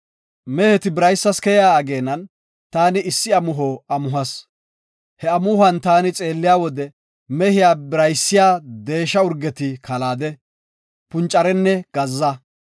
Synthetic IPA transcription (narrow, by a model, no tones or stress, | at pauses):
mɛhɛt̪ɪbɪɾɐjsːɐskɛjaːɡe̞ːnɐn | t̪aːnɪɪsːɪɐmʊɦoɐmʊɦɐs | hɛɐmʊhɐnt̪aːnɪt͡sʼe̞ːlːɪjaːwɔd̪ɛ | mɛhɪjaːbɪɾɐjsːɪjaːd̪e̞ːʃːɐʊɾɡɛt̪ɪkʰɐlaːd̪ɛ | pʊnt͡ʃʼːɐɾɛnːɛɡ̥ɐzːɐ